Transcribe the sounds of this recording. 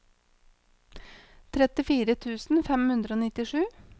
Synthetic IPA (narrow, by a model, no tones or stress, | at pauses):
t̪ʰɾɛt̪ɪfiːɾət̪ʰʉːsn̩fɛmhʉnd̪ɾəoːnɪt̪ɪʂʉː